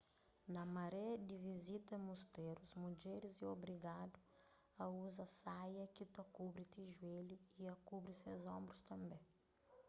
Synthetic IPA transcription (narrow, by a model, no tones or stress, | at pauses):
nɐmɐɾɛɐd̪ɪvizit̪ɐimust̪eɾuzmud͡ʒɛɾɪziobɾiɡad̪u | ɐuzɐsajɐkit̪ɐkubɾɪt̪iʒueʎuiɐkubɾɪsewzõmbɾʊst̪ɐ̃mbẽ